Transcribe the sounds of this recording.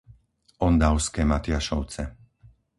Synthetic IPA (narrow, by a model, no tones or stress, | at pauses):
ʔɔnd̪aʊskɛːmat̪ɪaʃɔʊt͡sɛ